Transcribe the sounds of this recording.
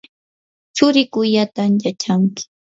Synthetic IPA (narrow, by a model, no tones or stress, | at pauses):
t͡ʃʊɾɪkʊʎat̪amjat͡ʃaŋkɪ̥